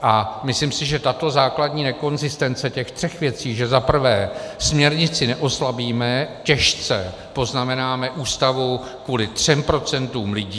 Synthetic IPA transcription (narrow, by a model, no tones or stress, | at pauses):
ʔamɪslimsɪʒɛt̪at̪o̞zaːkladɲiːnɛko̞nzɪst̪ɛnt͡sɛcɛxt̪r̥ɛxvjɛt͡siːʒɛzapr̩vɛːsmɲɛɾɲɪt͡sɪnɛʔo̞slabiːmɛcɛʃt͡sɛ | po̞znamɛnaːmɛʔuːst̪avu | kvuːlɪt̪r̝̥ɛmpɾo̞t͡sɛnt̪uːmlɪɟiː